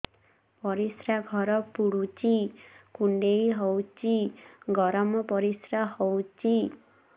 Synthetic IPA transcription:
pɔɾisɾaɡʱɔɾɔpuɽut͡ʃikuɳɖejɦɔwt͡ʃiɡɔɾɔmɔpɔɾisɾahɔwt͡ʃi

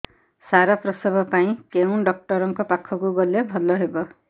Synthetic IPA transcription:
saɾɔpɾɔsɔbʱɔpaĩkeũɖɔk̚ʈɔɾɔŋkɔpakʰɔkuɡɔlebʱɔlɔɦebɔ

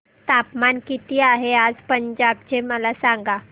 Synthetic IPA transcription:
t̪apmankit̪iːaɦead͡zpəɲd͡ʑab̚t͡ɕeməlasãŋɡa

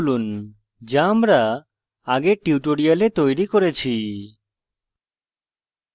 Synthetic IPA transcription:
lun | d͡ʒamɾa | aɡeʈiuʈoɽijalet̪ojɾikoɾet͡ɕʰi

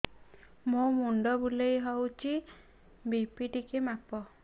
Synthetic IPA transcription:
momuɳɖɔbulejɦɔwt͡ʃʰi | bipiʈikemapɔ

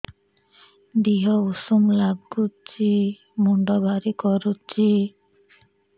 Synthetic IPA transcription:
d̪iɦɔusumlab̚ɡutt͡ʃi | muɳɖɔbʱaɾikɔɾut͡ʃi

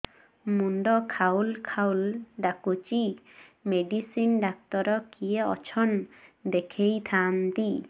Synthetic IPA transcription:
muɳɖɔkʰawlkʰawlɖakut͡ʃi | meɖisinɖak̚t̪ɔɾɔkijeɔ̰t͡ʃʰɔnd̪ekʰejt̪ʰant̪i

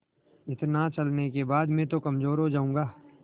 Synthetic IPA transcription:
ɪt̪nat͡ʃɐlnekebaːd̪mẽt̪okɐmzoːɾɦod͡ʒaːũːŋɡaː

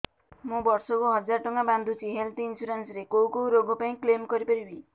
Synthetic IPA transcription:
mũbɔɾsɔkoɦʌd͡ʒaɾʈɔŋaband̪ʱut͡ʃʰiɦelt̪iinsuɾansɾekowkowɾoɡɔpaĩklemkɔɾipɔɾibi

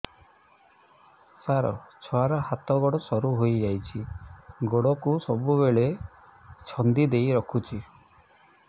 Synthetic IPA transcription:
saɾɔ̰t͡ʃʰɔaɾɔhat̪ɔɡɔɽɔsɔɾuɦojd͡ʒajt͡ʃʰiɡoɽɔkusɔbuβeɭe | t͡ʃʰɔnd̪id̪ejɾɔkʰut͡ʃʰi

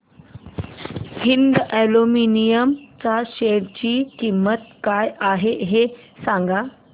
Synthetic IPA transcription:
hind̪ɛluminijəmt͡saɕeɽt͡ɕiːkimːət̪̚kajʔaɦeɦe | sãŋɡa

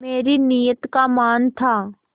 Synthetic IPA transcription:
meːɾinijət̪kamaːnt̪ʰaː

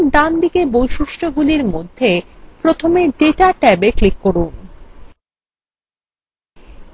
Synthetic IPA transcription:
ɖ̪and̪ikebojʃuʃʈʰoɡuliɾmod̪ʱːepɾot̪ʰomeɖeʈaʈɛbeklikːoɾun

